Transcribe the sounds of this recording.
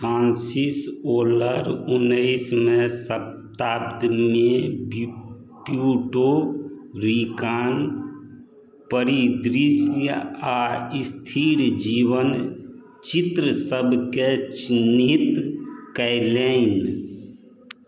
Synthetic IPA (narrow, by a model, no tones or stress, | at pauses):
ãːnsisoːləɾʊnːəɪsmẽsə | t̪aːbd̪meb | pjuːʈo | ɾikaːn | pəɾid̪ɾisjəaist̪ʰiɾd͡ʒiːʋən | t͡ʃit̪ɾəsəbʱket͡ʃnit̪kɛɪleɪn